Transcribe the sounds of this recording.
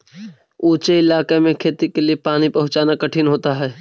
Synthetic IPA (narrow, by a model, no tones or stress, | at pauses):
uːt͡ʃeɪlaːkemẽkʰeːt̪ikeliepaːnipɐɦʊt͡ʃaːnakɐʈʰɪnɦoːt̪aɦɛː